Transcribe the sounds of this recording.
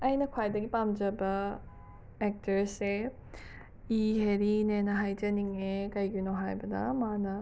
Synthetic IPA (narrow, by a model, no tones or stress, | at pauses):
ɐjnɐkʰwajdɐɡipamd͡ʒɐbɐ | ek̚tʰɐɾse | iɦeɾinenɐɦajd͡ʒɐniŋekɐjɡinoɦajbɐnɐ̰manɐ